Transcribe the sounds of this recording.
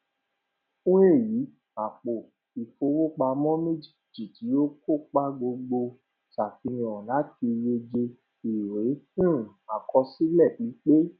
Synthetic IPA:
ũ˦e˦˨ji˨˦ | a˨k͡po˨ | i˨fo˧wo˦k͡pa˧mɔ̃˦mẽ˦d͡ʒi˦˨ti˨ti˨˦jo˦ko˦˨k͡pa˦ɡ͡bo˧ɡ͡bo˧ | sa˨fi˧˦ĩ˧˨ɔ̃˨la˨˦ti˧je˧d͡ʒe˧ | i˨je˨˦ũ˦˨a˨kʰɔ˧si˦lɛ˦˨k͡pĩ˨˦k͡pe˦

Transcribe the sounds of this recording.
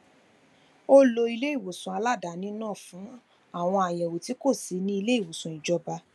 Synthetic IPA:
o˦lo˧i˧le˦i˦˨wo˨sũ˨a˧la˦˨da˨˦nĩ˦nãː˦˨fũ˨˦ | a˦˨w̃ɔ̃˧a˨jɛ˨wo˨ti˨˦ko˦˨si˨˦nĩ˦i˧le˦i˦˨wo˨sũ˨i˨d͡ʒɔ˧ba˧

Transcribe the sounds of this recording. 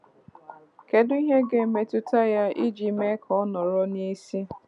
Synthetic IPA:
ke˨dʊ˦i˦ɦe˦ɡe˨me˨tʊ˦ta˦ja˦i˦d͡ʒi˨me˦kʰɔ˦nɔ˨ɾɔ˦ne˦si˦

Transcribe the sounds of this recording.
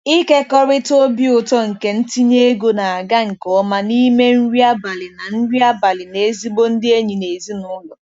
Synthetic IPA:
i˦ke˦kɔ˦ɾɪ˦to˦bi˦ʊ˨tɔ˦ŋ̩˨ke˦n̩˦ti˦ɲe˦e˦ɡo˦na˨a˨ɡa˦ŋ̩˨kɔ˨˦ma˦ni˦me˦n̩˦ɾi˦a˦ba˨lɪ˨na˨n̩˦ɾi˦a˦ba˨lɪ˨ne˨e˦zi˦bo˦n̩˦dɪ˦e˦ɲi˨ne˨zi˦nʊ˦lɔ˨

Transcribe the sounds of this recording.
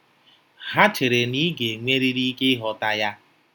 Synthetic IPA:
ɦa˦t͡ʃe˨ɾe˨ni˦ɡe˨ŋʷe˦ɾi˦ɾi˦ke˦ɦɔ˨ta˦ja˦

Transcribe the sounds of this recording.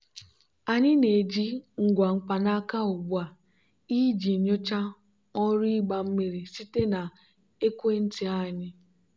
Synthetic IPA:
a˨ɲɪ˦ne˨d͡ʒi˦ŋ̩˨ɡʷa˨ŋ͡m̩˨k͡pa˨na˦ka˦o˨bu˦a˨ | i˦d͡ʒi˨ɲo˦t͡ʃa˦ | ɔ˦ɾi˦ɡ͡ba˨m̩˦mi˦ɾi˨si˦te˦na˨ | e˦kʷe˦n̩˦ti˦a˦˨ɲɪ˦

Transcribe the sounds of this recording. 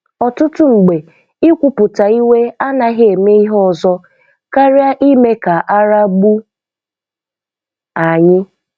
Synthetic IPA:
ɔ˨tʊ˦tʊ˦ŋ͡m̩˨ɡ͡be˨ | ɪ˦kʷʊ˨pʊ˨ta˨i˦we˦a˦na˨ɦe˦e˨me˦i˦ɦɔ˦˨zɔ˦ | ka˦ɾja˦ʔi˦me˦ka˨ʔa˦ɾa˦ɡ͡bu˦ | a˨ɲɪ˦

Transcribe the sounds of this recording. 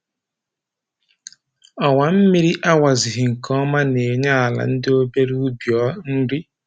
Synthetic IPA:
ɔ˨wa˨m̩˦mi˦ɾi˦ʔa˦wa˨zɪ˨ɦɪ˨ŋ̩˨kʰɔ˦ma˦ne˨ɲa˦a˨la̰˨n̩˦dɪ˦o˦be˦ɾu˦u˦bjɔː˦n̩˦dɪ˦

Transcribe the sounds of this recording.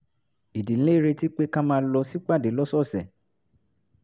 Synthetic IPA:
i˨dĩ˨˦e˦˨ɾe˧ti˦k͡pe˦kã˦mãː˧˦lɔ˧si˦k͡pa˦˨de˨˦lɔ˦sɔ˦˨sɛ˨

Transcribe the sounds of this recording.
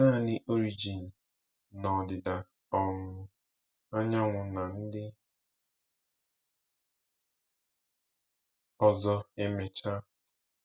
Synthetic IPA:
a˦˨nɪ˦ʔo˦ɾi˦d͡ʒi˨n̩˨ | nɔ˨dɪ˨da˨ | ɔ˦ŋʷʊ˨˦ | a˦ɲa˦ŋʷʊ˨na˨n̩˦dɪ˦ | ɔ˨zɔ˦e˦me˨t͡ʃa˦

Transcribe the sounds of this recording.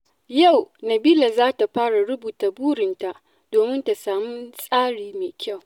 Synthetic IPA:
ja˦˨wnɐ˨biː˦la˨zaː˦ta˨ɸaː˦ɽa˨ɽʊ˦buː˨ta˨buː˦ɽɪ˨nta˨ʔ | d̥oː˨mɪ˦nta˨saː˨mʊ˦nsʼaː˦ɽiː˨meː˨kʲa˦˨w

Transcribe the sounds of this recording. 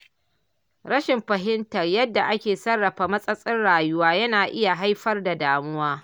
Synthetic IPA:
ɽɐ˦ʃɪ˨mɸɐ˨ɦɪ˦ntɐ˨rjɐ˦dːa˨ʔa˦kʲeː˨sɐ˦rːɐ˨ɸaː˨mɐ˦sʼɐ˦sʼɪ˦nɽaː˨jʊ˦waː˦jɐ˦naː˨ʔɪ˦ja˨ɦa˦jɸɐ˦rda˨daː˨mʊ˦waː˦

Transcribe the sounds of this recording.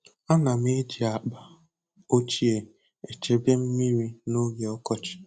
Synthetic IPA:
a˦na˨me˦d͡ʒi˨a˨k͡pa˨ | o˦t͡ʃi˦e˨ | e˨t͡ʃe˦bje˦m̩˦mi˦ɾi˦no˦ɡe˨ɔ˦kɔ˦t͡ʃɪ̥˨

